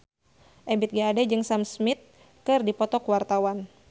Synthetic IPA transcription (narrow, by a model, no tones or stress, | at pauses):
ʔɛmbit̪̚ɡaadɛd͡ʒɨŋsamsmit̪̚ | kɨrdipɔt̪ɔkwart̪awan